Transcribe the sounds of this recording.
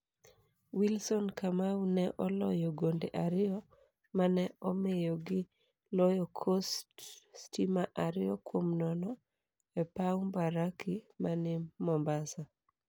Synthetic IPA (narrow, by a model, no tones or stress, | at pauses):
wilsɔnkamawunɛʔɔlɔjɔɡondeʔaɾɪɔ | manɛɔmejɔɡɪ | lɔjɔkʰostːtimaʔaɾɪjɔkwomnɔnɔ | ɛpawmbaɾakʰimanɪmːɔmbasa